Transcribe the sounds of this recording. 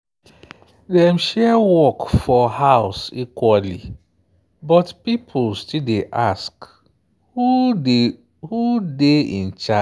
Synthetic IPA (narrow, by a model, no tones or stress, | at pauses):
dɛ̃mʃɛwɔkfɔhaʊsikwali | bɔtpipʰʊlstildeʔask | u | hudeḭ̃n̩t͡ʃa